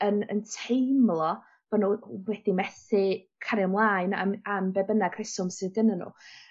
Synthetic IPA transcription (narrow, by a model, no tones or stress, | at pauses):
ənə̰ntʰejmlˠɔ | v̥ɔnuwɛd̥imɛθɪ | kʰaɾɪmlˠaːɨna̰mambɛbənaɡr̥ɪsʊmsɨðənənṵ